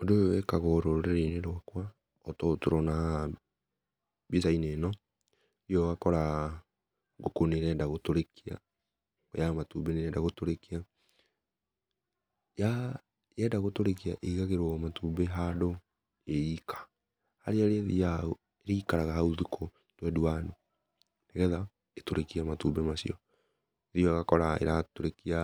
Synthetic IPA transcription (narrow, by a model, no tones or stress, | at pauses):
odoekaɣɔɾoɾeɾeneɾowakwa | ɔtɔtoɾɔna | bisainenɔ | iɔwakɔɾa | ɡokoneɾɛːndaɣotoɾekia̰ | ɔ̰jamatubeneɛdaɣotoɾekia | ja | jɛdaɣotoɾekiaʔeiɣaɣeɾwmatubeɦado | eikʰḁ | haɾeaɾeɛðḭao | eɾeikaɾaɣaɦauðikʰo | twɛdwano | neɣɛða | etoɾekiamatubemasḭɔ | ðiɔɣakɔɾaḛɾatoɾekia